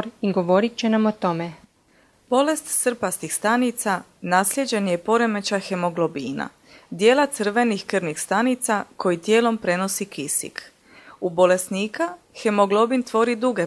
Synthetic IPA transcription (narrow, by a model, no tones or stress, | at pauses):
ɾiɡoʋo̞ɾit͡ʃenamot̪o̞me | b̥o̞le̞st̪sr̩past̪ixst̪anit̪sanaːslʲjed͡ʑe̞njepo̞ɾe̞met͡ɕaxe̞mo̞ɡlˠo̞biːna̰ | d̪je̞ːlˠat̪sɨr̩ʋe̞nixkr̩nixst̪anit̪sako̞jit̪je̞ːlo̞mpɾe̞no̞sikisḭk | ubo̞le̞sniːka | xe̞moɡlˠo̞bint̪ʋo̞ːɾid̪uɡe̞